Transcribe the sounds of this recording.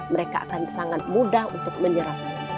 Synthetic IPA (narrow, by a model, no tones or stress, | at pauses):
məɾeka̰ʔa̰kansaŋat̪̚mudahunt̪ʊk̚məɲəɾah